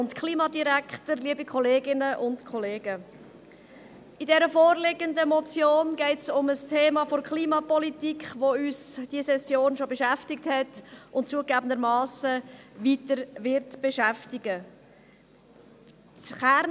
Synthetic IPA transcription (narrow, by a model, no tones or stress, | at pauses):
ʊntkχliːmɑdiɾækχtəɾliəbikχɔleːɡɪnəʔʊntkʰɔleːɡ̥ə | idɛɾəfoːɾlɪɡəndəmɔt͡sjoːnɡɛɪtsʊməstʰeːmɑfoɾkʰχliːmɑpɔlitikχʋoyːsd̥iəsɛsjoːnʃobeʃæftɪkthɛtʔʊntt͡suəɡæːbən̩d̪əɾmɑːsəʋitəɾʋɪɾtb̥eʃæftɪɡə | t͡sχæɾ